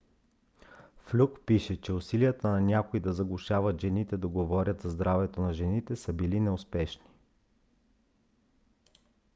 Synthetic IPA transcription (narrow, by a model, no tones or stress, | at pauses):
flʲukpiʃɛt͡ʃɛʊsiliət̪ənɐnʲakoid̪ɐzɐɡlˠʊʃavət̪ʒɛnit̪ɛd̪ɐɡovɔɾʲət̪zɐzd̪ɾavɛt̪onɐʒɛnit̪ɛsəbilinɛʊspɛʃni̥